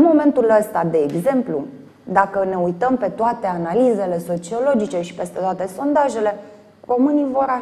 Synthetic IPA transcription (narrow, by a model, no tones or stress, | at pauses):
mo̞me̞nt̪uləst̪ad̪e̞ːɡze̞mplu | d̪akəne̞ujt̪əmpe̞t̪oat̪e̞analize̞le̞so̞t͡ʃio̞lo̞d͡ʒit͡ʃe̞ʃi̥pe̞st̪e̞t̪oat̪e̞so̞nd̪aʒe̞le̞ | ro̞mɨnijvo̞ɾa